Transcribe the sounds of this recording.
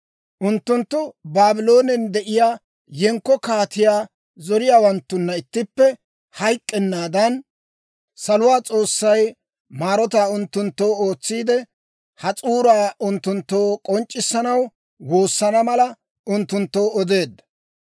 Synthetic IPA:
ʔʊnt̪ːʊnt̪ːʊbaːbɪlo̞ːnɛnd̪ɛʔɪjaː | jɛŋkːɔkaːt̪ɪjaː | zɔɾɪjaːwɐnt̪ːʊnːɐɪt̪ːɪpːɛ | hɐjkʼːɛnːaːd̪ɐn | sɐlʊwaːt͡sʼo̞ːsːɐj | maːɾɔt̪aːʊnt̪ːʊnt̪ːo̞ːoːt͡sːiːd̪ɛ | hɐt͡sʼuːɾaːʔʊnt̪ːʊnt̪ːo̞ːkʼɔnt͡ʃʼːɪsːɐnɐw | wo̞ːsːɐnɐmɐlɐ | ʊnt̪ːʊnt̪ːoːɔd̪e̞ːd̪ːɐ

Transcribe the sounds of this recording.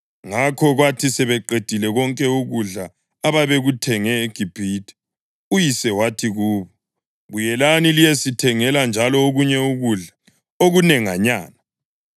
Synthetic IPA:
ŋakʰɔɣwatʰisɛβɛǃed̥ʱilɛɣɔŋkʼɛuɣuɮaː | βaβeɣutʰɛŋɛeɡ̥ʱib̥ʱitʰʼɛ̥ | ujisɛwatʰiɣuːβɔ | βujɛlanilijesitʰɛŋɛland͡ʒʱalɔoɣuɲɛuɣuɮa | oɣunɛŋa̰ɲa̰ːna

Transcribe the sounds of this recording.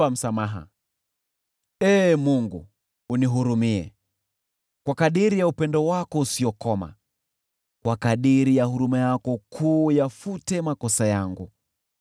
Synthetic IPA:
am̩samaɦa̰ | ɛːmuŋɡṵː | niɦuɾumiɛ̰ | kwakaɗiɾijaupɛndɔwakɔusiɔkɔma̰ | kwakaɗiɾijahuɾumajakɔkʰuːjafutɛmakɔsajaŋɡu

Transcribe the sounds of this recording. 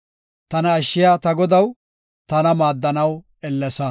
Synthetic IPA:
t̪ɐnɐːʃːɪjat̪ɐɡɔd̪ɐw | t̪ɐnɐmaːd̪ːɐnɐw | ɛlːɛsɐ

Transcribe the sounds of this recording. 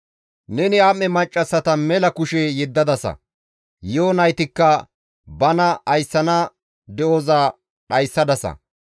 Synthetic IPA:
nɛnɪamːɛmɐt͡ʃʼːɐsɐt̪ɐmɛlɐkʊʃɛjɛd̪ːɐd̪ɐsɐ̰ | joːnɐjt̪ɪkːɐ | bɐnɐːjsːɐnɐ | d̪ɛoːzaː | ɗɐjsːɐd̪ɐsɐ̰

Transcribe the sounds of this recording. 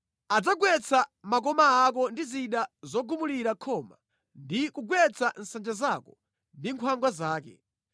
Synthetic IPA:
ad͡zaɡwɛt͡sʰamak̬ɔmaːk̬ɔndiziɗazɔɡumuliɾakʰɔːma̰ | ndikuɡwɛt͡sʰan̩sand͡ʒazakɔ | ndiŋkʰwaŋɡwazaːkɛ̰

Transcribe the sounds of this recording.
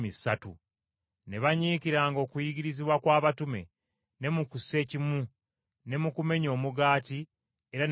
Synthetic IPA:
misatṵ | ne̞βaɲiːciɾaːŋɡo̞ːkujiɡiɾiziβwakwaːβatume̞̰ | ne̞mukuse̞ːcimu | ne̞mukume̞ɲo̞ːmuɡaːti | e̞ɾan

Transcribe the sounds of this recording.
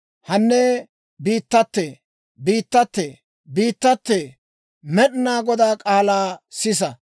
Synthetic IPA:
hɐnːɛ | biːt̪ːɐt̪ːɛ | biːt̪ːɐt̪ːɛ | biːt̪ːɐt̪ːɛ | mɛɗɪnaːɡɔd̪aːkʼaːlaːsɪs̬ɐ

